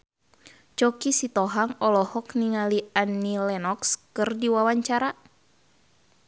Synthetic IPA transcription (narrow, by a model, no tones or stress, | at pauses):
t͡ʃɔkisit̪ɔɦaŋɔlɔhɔkniŋalianːilɛnɔkskɨrdiwawaɲt͡ʃaɾa